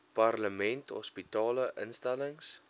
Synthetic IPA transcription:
parləmɛnthɔ̰spitɑːləʔə̰nstæləŋs

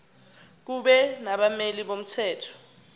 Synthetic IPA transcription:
k̬uɓɛnaɓameliɓom̩tʰɛːtʰɔ̥

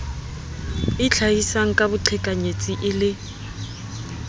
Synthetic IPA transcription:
ɪt͡ɬʰaisaŋ̩kʼabʊǃʰɛkʼaɲet͡sʼiʔɪlɪ

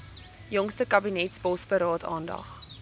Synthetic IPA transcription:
jɔŋstəkɐbinɛtsbɔsbəɾɑːtʰɑ̰ːndɐ̰χ

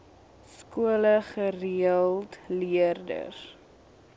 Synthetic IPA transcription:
skuələχəriəlˠtliərdə̰r

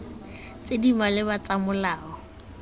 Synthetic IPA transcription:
t͡sedimalɪbat͡samʊlaːɔ

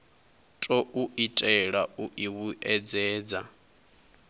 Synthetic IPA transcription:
tʼɔʔuʔitʼɛɺaʔuʔiβuʔɛd͡zɛːd͡za

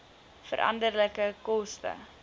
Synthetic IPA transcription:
fə̰ɾʔɐ̰ndərləkəkɔstə̰

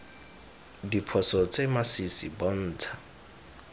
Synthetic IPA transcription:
dipʰɔsɔt͡sʼemasisibɔn̩ːt͡sʰḁ

